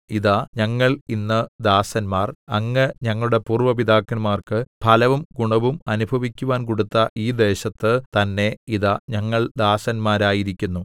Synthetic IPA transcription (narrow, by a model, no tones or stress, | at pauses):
iðaɲɐŋːɐɭinːɐd̪aːsɐnmaːrɐŋːɨɲɐŋːɐɭuɽe̞puːrʋɐʋid̪aːkːɐnmaːrkɨpʰɐlɐʋumɡuɳɐʋumɐnubʱɐʋikʲːuʋaːnkoɽut̪ːɐʔiːd̪e̞ːɕɐt̪ːɨt̪ɐnːe̞iðaɲɐŋːɐɭd̪aːsɐnmaːɾaːjiɾikʲːunːu